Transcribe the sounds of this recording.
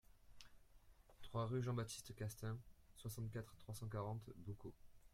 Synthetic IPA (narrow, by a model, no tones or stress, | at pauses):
t̪χwaʁyʒɑ̃bat̪i̥st̪kast̪ɛ̃swasɑ̃t̪kat̪χt̪χwasɑ̃kaʁɑ̃t̪buko